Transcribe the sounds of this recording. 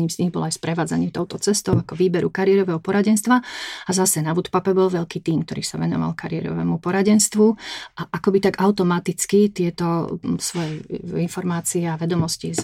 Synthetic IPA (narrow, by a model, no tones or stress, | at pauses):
ɲiːmzɲiɣbɔ̰lajspɾɛʋaːd͡za̰ɲɪɛt̪ɔʊt̪ɔt͡sɛst̪ɔʊakɔʋiːbɛɾukaɾɪɛɾɔʋɛɦɔpɔɾaɟɛnst̪ʋaazasɛnaʋut̪papɛbɔlʋɛʎkiːt̪iːmkt̪ɔɾḭːsaʋɛnɔ̰ʋa̰lkaɾɪɛ̰ɾɔ̰ʋɛ̰ːmupɔɾaɟɛnst̪ʋuʔaʔakɔbit̪aɡaʊt̪ɔmat̪it͡skit̪ɪɛt̪ɔsʋɔjɛinfɔɾmaːt͡siɛaʋɛd̪ɔmɔsci